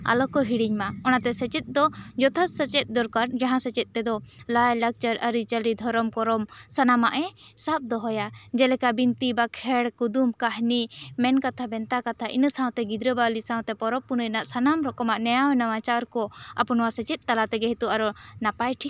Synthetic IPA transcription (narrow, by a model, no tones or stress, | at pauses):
a̰lɔkɔɦiɽiɲmaɔnat̪ɛsət͡ʃɛt̪̚ˀd̪ɔd͡ʒɔt̪ʰat̪̚sət͡ʃɛt̪̚ˀd̪ɔɾkaɾd͡ʒaɦãsət͡ʃɛt̪̚t̪ɛd̪ɔlajlək̚t͡ʃəɾəɾit͡ʃəlid̪ʱɔɾɔmkɔɾɔmsanamaʔɛsap̚d̪ɔɦɔjad͡ʒɛlɛkabint̪ibakʰɛɽkud̪umkaɦnimɛnkat̪ʰabɛnt̪akat̪ʰaʔḭnəsãw̃t̪ɛɡid̪ɾəbalisãw̃t̪ɛpɔɾɔpːunəjnaʔsanamɾɔkɔmaʔnɛjawɛnawat͡ʃaɾkɔa̰punɔwasət͡ʃɛt̪̚ˀt̪alat̪ɛɡɛɦit̪uaɾɔnapajʈʰik̚